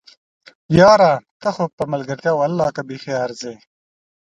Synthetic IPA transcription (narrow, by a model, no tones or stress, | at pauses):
jɑːɾaːt̪ɐxopɐmɐlɡɐɾt̪jaːwɐlːɑːkabixeɑːɾzeː